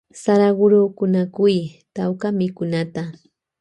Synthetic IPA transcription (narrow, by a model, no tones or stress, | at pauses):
saɾaɢʊɾokʊnakʊjt̪awkamɪkʊnat̪a